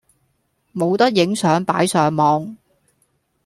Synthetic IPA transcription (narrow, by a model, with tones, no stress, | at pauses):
mo˨˧wt̪ɐ˥k̚jɪ˨˥ŋsœː˨˥ŋpaː˨˥jsœː˨ŋmɔː˨˧ŋ